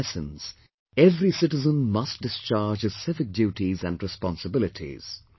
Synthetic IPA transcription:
sə̃nz̥ | ɛvɾisɪʈɨzə̃nmʌst̚dɪst͡ʃaːɾd͡ʒɨz̥sɪvɪk̚djuːʈizæ̰̃nɖɾɨspɑ̃nsəbɪlɪʈʰḭz̥

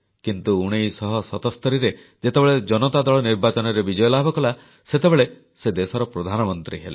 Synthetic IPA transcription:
kint̪uuɽ̃ejsɔɦɔsɔt̪ɔst̪ʰɔɾiɾe | d͡ʒet̪ebeɭed͡ʒɔnɔt̪ad̪ɔɭɔniɾbat͡ʃɔnɔɾebid͡ʒɔjɔlabʱɔkɔla | set̪ebeɭe | sed̪esɔɾɔpɾod̪ʱanɔmɔnt̪ɾiɦela

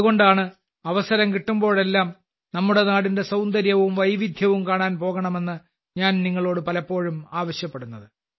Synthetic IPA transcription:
ɐuɣo̞ɳɖaːɳɨ | ɐʋɐsɐɾɐmkiʈːumbo̞ːɭe̞lːaːm | nɐmːuɽe̞naːɽinde̞sɐwnd̪ɐɾjɐʋumʋɐjʋid̪ʱjɐʋumkaːɳaːnpo̞ːɣɐɳɐme̞nːɨ | ɲaːnniŋːɐɭo̞ːɽɨpɐlɐpːo̞ːɻumaːʋɐɕjɐpːeɽunːɐðɨ

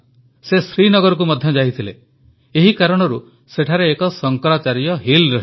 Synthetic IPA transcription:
sesɾinɔɡɔɾɔk̬umɔd̪ʱjɔd͡ʒait̪ʰile | eɦikaɾɔɽ̃ɔɾu | seʈʰaɾeːkɔsɔŋkɔɾat͡ʃaɾijɔɦilɾɔɦ

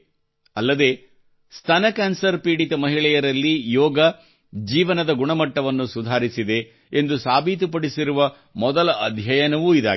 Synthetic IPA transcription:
ɐlːɐd̪e̞ː | st̪ʰɐnɐkaːnsɐɾpiːɽit̪ɐmɐɦiɭɛjɐɾɐlːijɔːɡɐ | d͡ʒiːʋɐnɐd̪ɐɡuɳɐmɐʈːɐʋɐnːusud̪ʱaːɾisid̪e̞ | end̪usaːbʱit̪̬up̬ɐɽisiɾuʋɐ | mɔd̪ɐlɐɐd̪ʱjɐjɐnɐʋuid̪a̰ː

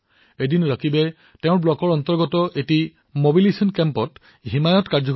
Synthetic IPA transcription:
edinɹakʰibɛ | teʊ̃ɹblɔkɔɹɔntɔɹɡɔtɔʔeti | mobilesɔnkɛmpɔt | ɦimajɔtkaɹd͡ʒɔ

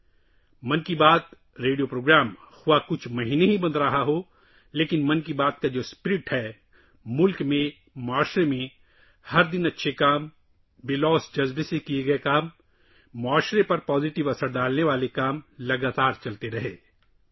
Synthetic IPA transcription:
mɐnkibaːt̪ | ɾeːɖiopɾoːɡɾaːm | xʊwakʊt͡ʃʰmɐɦiːneɦibɐ̃nd̪ɾɐɦaɦo | leːkɪnmɐnkibaːt̪̚kad͡ʒoːspɪɾɪʈhɛː | mʊlkmẽ | mʊaːʃɾemẽ | hɐɾd̪ɪnɐtːʃʰekaːm | bɪlɔːsd͡ʒɐzbsekieɡɐekaːmː | ʊaːʃɾepɐɾpɔːzɪʈɪʋɐsəɾd̪aːlneʋaːlekaːmlɐɡaːt̪aːɾt͡ʃɐlt̪eɾɐɦeː

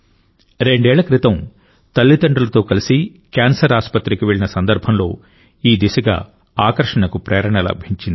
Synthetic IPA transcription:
ɾe̞ɳɖɛːɭːɐkɾit̪ɐm | t̪ɐlːit̪ɐɳɖɐlɐt̪o̞ːkɐlisi | kaːnsɐɾaːspɐt̪ɾikiʋeɭinɐsɐnd̪ɐɾbʱɐmlo̞ː | iːd̪isɐɡa̰ː | aːkɐɾʂɐɳɐkupɾɛːɾɐɳɐlɐ̰bʱiɲt͡ʃind̪i

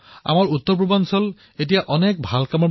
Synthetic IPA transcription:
a̰maɹut̪ːɔɹp̬ɹubansɔl | et̬ijaʔɔnɛk̚bʱalkamɔɹ

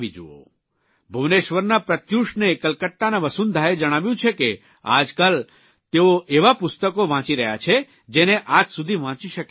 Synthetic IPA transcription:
ʋid͡ʒuo̰ | bʱuʋneʃʋəɾnapɾət̪juʃnekəlkəʈ̪ːanaʋəsund̪ʱajed͡ʒəɽ̃aʋjũt͡ʃʰeke | a̰d͡ʒkal | t̪eoʔeʋapʊst̪əkoʋãt͡ʃiɾəɦjat͡ʃʰe | d͡ʒeneʔad͡ʒsud̪ʱiʋãt͡ʃiʃək

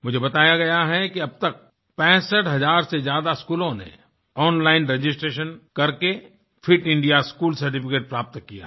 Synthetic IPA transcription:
mʊd͡ʒʱebɐt̪aːjaɡɐjaɦɛkiɐb̚t̪ɐk̚ | pɛ̃ːsəʈɦɐzaːɾsezjaːd̪askuːlõnḛ | ɔːnlaːɪnɾed͡ʒɪsʈɾeːʃ̬ənkɐɾke | fʰɪʈɪ̃ɳɖijaskuːlsɐɾʈɪfɪkeːʈ̚pɾaːp̚t̪kija̰ɦ

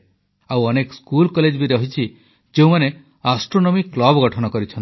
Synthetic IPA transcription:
awɔnekɔskulkɔled͡ʒbiɾɔɦit͡ʃʰi | d͡ʒeũmane | asʈɾonɔmiklɔbɔɡɔʈʰɔnɔkɔɾit͡ʃʰɔnt̪

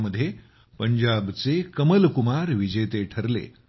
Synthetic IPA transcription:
məd̪ʱːje | pəɲd͡ʑabt͡sekəməlkumaɾʋid͡ʑet̪eʈʰəɾlḛ

